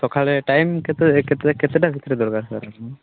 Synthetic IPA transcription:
t̪ɔkʰalɛʈajmkɛt̪kɛt̪kɛt̪ɛʈabʱit̪ɾɛd̪ɔɾɡaɾsa̰ɾa

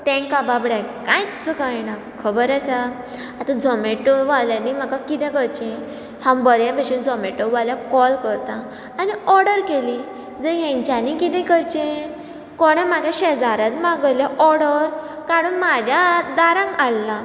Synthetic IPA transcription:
t̪ɛ̃ŋkababɽakãjt͡səkajna | kʰəbəɾasa | at̪ãd͡zʱɔmeʈəʋaljanim̤akakit̪ɛ̃kəɾt͡ɕẽ | hãwbəɾjãpɛɕuːnd͡zʱɔmeʈəʋaljakɔlkəɾt̪ãː | niɔɾɽəɾkeli | d͡zəɦɛ̃ɲt͡ɕanikit̪ɛ̃kəɾt͡ɕẽ | koɽ̃ẽm̤aɡjaɕɛd͡zaɾat̪mãɡəljaʔɔɾɽəɾ | kaɽuːnmad͡ʑʱjad̪aɾãŋɡalːa

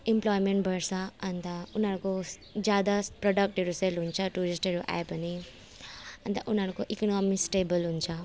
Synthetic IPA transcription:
implɔːjmẽɳʈbʱəɾsaɐnt̪aunaɾko | d͡ʒjaːd̪apɾɔɖək̚ʈɦeɾuselɦunt͡ʃʰaʈuːɾisʈɦeɾuʔa̰epɐni | ɐ̃nt̪a̰ʔunaɾkoʔiknɔːmisʈeːbəlɦunt͡ʃʰa

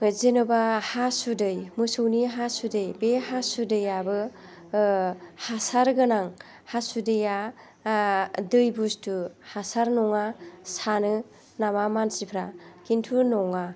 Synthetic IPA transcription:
ɯzenɯbahasudɯjmɯsowniɦasudɯjbehasudɯjabɯ | hasaɾɡɯnaŋ | hasudɯja | dɯjbustuhasaɾnɔŋasanɯ | namamansipʰɾakintʰunɔŋa

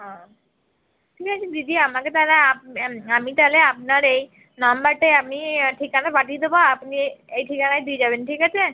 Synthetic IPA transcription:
ɦã | ʈʰiːkat͡ʃʰed̪id̪ʱiamaket̪aleapamit̪aleapnaɾei | nambaʈeamiʈʰikanaɾbaʈid̪obaapniejʈʰikanajd̪id͡ʒabenʈʰiːkat͡ʃʰe

